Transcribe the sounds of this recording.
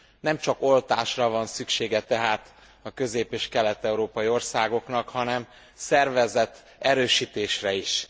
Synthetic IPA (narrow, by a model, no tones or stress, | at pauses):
nɛmt͡ʃɒko̞lt̪aːʃrɒvɒnsykʃeːɡɛt̪ɛɦaːt̪ | ɒkø̞zeːpeːʃkɛlɛt̪ːɛuɾoːpɒjio̞rsaːɡo̞knɒkhɒnɛm | sɛrvɛzɛt̪ | ɛɾøːʃiːt̪eːʃrɛiʃ